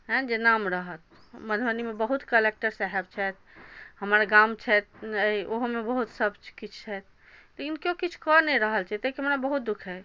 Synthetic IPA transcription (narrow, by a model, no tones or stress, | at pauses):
ɦɛ̃d͡ʒenamɾəɦət̪̚ | məd̪ʱbənimebəɦut̪kəlek̚ʈəɾsaɦeb̚t͡ʃʰɛt̪̚ | həməɾɡamt͡ʃʰɛt̪̚əoɦomebəɦut̪səbʱt͡ʃkit͡ʃʰt͡ʃʰɛt̪̚ | lekinkjokit͡ʃʰkɔnɛɾəɦəlt͡ʃʰɛt̪ekiɦəmnabəɦut̪̚d̪ukʰɦɛ